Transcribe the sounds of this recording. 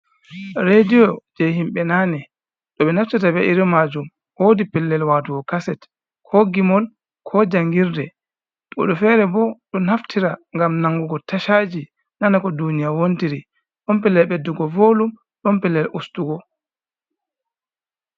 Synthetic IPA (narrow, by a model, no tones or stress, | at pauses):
ɾedijɔd͡ʒɛɦimɓɛnaːnɛ | ɗɔɓɛnaftitabɛʔiɾimad͡ʒum | hoːdipɛlːɛlwaːtuɡɔkasɛt | kʰɔɡimɔl | kʰɔd͡ʒaŋɡiɾdɛ | ɓɔ̰ɗɔfɛɾɛbɔɗɔnaftʰiɾaŋɡamnaŋɡuɡɔtaʃaːd͡ʒi | nanakɔdunijawontiɾi | ɗɔmpɛlːɛlɓɛdːuɡɔvoːlum | ɗɔmpɛlːɛlʔustuɡɔ